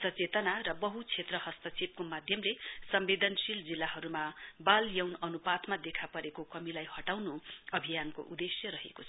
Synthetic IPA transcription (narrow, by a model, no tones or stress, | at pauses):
sʌt͡set̪ʌnarʌbʌɦut͡sʰet̪rʌhʌst̪ʌt͡sib̚komad̪ʱjʌmlesʌmbed̪ʌnsild͡zilːaɦʌɾumabaljʌwnʌnupat̪mad̪ekʰapʌɾekokʌmilajhʌʈawnuʌbʱijanko̰ʔud̪esjʌɾʌɦḛkot͡sʰ